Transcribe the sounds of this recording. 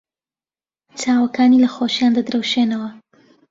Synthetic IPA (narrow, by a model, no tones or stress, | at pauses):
t͡ʃaːwɐkʰaːnilɐxoːʃjaːnd̪ɐd̪ɾɐwʃeːnɐwɐ